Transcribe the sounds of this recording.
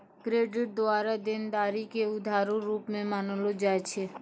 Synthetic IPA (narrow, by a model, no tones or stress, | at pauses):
kɾeːɖɪʈ̚d̪oaːɾad̪ɪnd̪aːɾikeʊd̪ʱaːɾuɾuːpmẽmanlod͡ʒaːɛt͡ʃʰe